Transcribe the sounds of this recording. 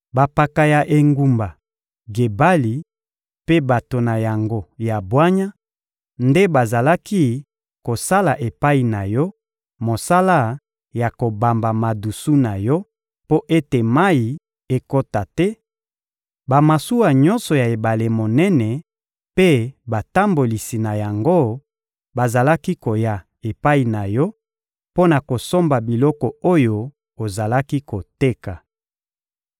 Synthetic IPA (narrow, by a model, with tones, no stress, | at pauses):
ba˨pa˨ka˨ja˨ʔe˨ŋɡu˨mba˨ | ɡe˨ba˦li˨ | pe˦ba˨to˨na˨ja˨ŋɡo˦ja˨bwa˦ɲa˦ | nde˦ba˨za˨la˦ki˦ | ko˨sa˦la˨ʔe˨pa˦i˨na˨jɔ˦ | mo˨sa˦la˦ | ja˨ko˨ba˨mba˨ma˨du˨su˦na˨jɔ˦ | po˦ʔe˦te˨ma˦i˨ | e˦ko˦ta˨tɛ˦ | ba˨ma˨su˦a˨ɲɔ̃˦nsɔ˨ja˨e˨ba˨le˨mo˨nɛ˦nɛ˨ | pe˦ba˨ta˦mbo˨li˨si˨na˨ja˨ŋɡo˦ | ba˨za˨la˦ki˦ko˨ja˨ | e˨pa˦i˨na˨jɔ˦ | po˦na˨ko˨so˦mba˨bi˨lɔ˦kɔ˨o˦jo˦ | o˨za˨la˦ki˦ko˨te˦ka˨